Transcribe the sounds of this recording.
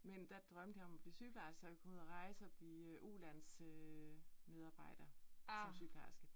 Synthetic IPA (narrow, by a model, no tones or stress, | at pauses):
mend̥æd̥ʁɶmd̥əjɒ̽mɒb̥liːsyɡ̥l̩ɑ̈ɪsɡ̥ɐkʰɒ̽muðˠɐʁɑ̈ɪsəɒb̥liːøʔulæn̰sø | með̞ˠɑ̈ːb̥ɑ̈ɪ̰d̥ɐsɒmsyɡ̥lɑ̈sɡ̥ə